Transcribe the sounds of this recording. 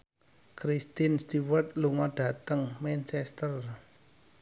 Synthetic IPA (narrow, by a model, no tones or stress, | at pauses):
kɾist̪inst̪iwət̪̚luŋɔɖ̥a̤t̪əŋmɛnt͡ʃɛst̪ər